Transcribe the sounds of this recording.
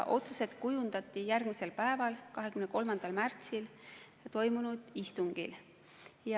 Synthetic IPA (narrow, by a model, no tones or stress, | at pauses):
ʔo̞t̪suse̞d̪̥kujund̪̥ɑt̪ˑːijærɡ̥mise̞lpæe̞vɑlkɑɦe̞kymneko̞lmɑnd̪̥ɑlmært̪sil | t̪o̞jmunud̪̥ist̪uŋɡ̥ḭl | jɑ